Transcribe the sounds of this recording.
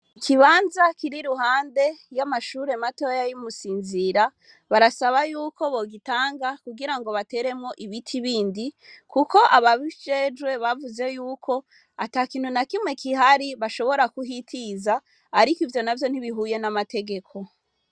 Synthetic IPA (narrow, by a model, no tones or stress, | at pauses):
ikʰiβaːnzakiɾiɾuɦaːnde̞jamaʃuːɾe̞mato̞jajumusiːnziɾa | βaɾasaβajuːko̞βo̞ɡitaːŋɡakuɡiɾaŋɡo̞βate̞ɾe̞mŋo̞ʔiβitʰiβiːndikʰuko̞ʔaβaβiʒe̞d͡ʒwe̞βavuze̞juːkʰo̞ | ataːkiːn̥hunakimŋe̞kiɦaɾiβaʃo̞βo̞ɾakuɦitʰizaː | ɾikivjo̞navjo̞n̥hiβiɦuje̞namate̞ɡe̞kʰo̞